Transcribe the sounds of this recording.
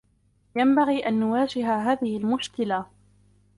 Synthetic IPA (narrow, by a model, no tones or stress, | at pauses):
jambaɣiːʔanːʊwaːd͡ʒɪɦaɦaːðɪhɪlmʊʃkɪla